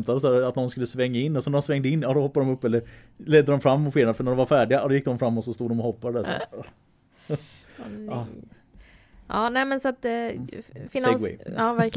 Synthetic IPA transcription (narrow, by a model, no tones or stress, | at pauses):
t̪ad̪əsaat̪nɔnskɵlːəsvɛŋːaɪnːɔsɛnd̪ɔmsvɛŋd̪əɪnːjɑːd̪ɔhɔpːad̪ɔmɵpːɛlːəɾ | lɛd̪ːəd̪ɔmfɾamːʊt̪feːənafœɳæɾɖɔmvaɾfæːɖɪɡad̪ɔjɪk̚d̪ɔmfɾamːɔt̪sɔst̪uːd̪ɔmɔhɔpːad̪əd̪æsɛ̰ɔ | ɑː | ʔɑːnɛːmɛnsat̪ | fɪeɡwɛ̰ɑːvæɾk